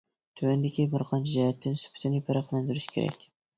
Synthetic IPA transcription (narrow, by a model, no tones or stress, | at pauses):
t̪ʰywænd̪ɪkʲʰibɨɾqʰɑnd͡ʒɑjɛt̪ʰːɪnsy̥pʰɪ̥t̪ʰɪnɪpʰæɾɑqlˠɑnd̪yɾɪʃkʲʰḛɾɛ̰kʲ